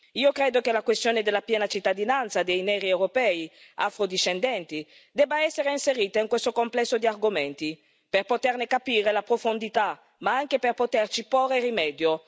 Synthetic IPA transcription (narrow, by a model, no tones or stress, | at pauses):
iːokɾeːd̪okelakwest̪joːned̪elːapjɛːnat͡ʃit̪ːad̪inant̪sad̪ejnɛːɾiewɾopɛːia̰fɾod̪iʃːend̪ɛnt̪i | d̪ɛbːaɛsːeɾeinseɾiːt̪aiŋkwest̪okomplɛsːod̪iarɡoment̪i | perpot̪ernekapiːɾelapɾofond̪it̪a | maaŋk̟eperpot̪ert͡ʃiporːeɾimɛːd̪jo